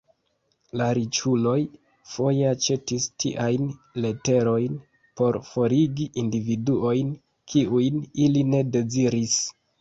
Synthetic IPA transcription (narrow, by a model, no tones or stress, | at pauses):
laɾit͡ʃulo̞j | fo̞jeat͡ʃe̞tistḭʔajnle̞te̞ɾo̞jn | po̞ɾfo̞ɾiɡiʔindividuo̞jn | kʰiujniline̞de̞ziɾis